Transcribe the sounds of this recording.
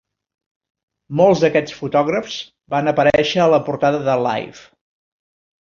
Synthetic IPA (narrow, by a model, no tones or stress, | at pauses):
mɔlˠzðəkɛt͡sfut̪ɔɣɾəfz̥ | banəpəɾɛʃəːləpuɾt̪aðəðəla̰jf